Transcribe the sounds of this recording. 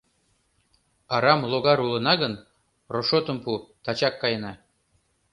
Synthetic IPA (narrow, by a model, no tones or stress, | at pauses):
ɑɾɑmlˠoɣɑɾulˠɤ̆nɑɣən | roʃot̪ə̆mput̪ɑt͡ɕɑkːɑjɤnɑ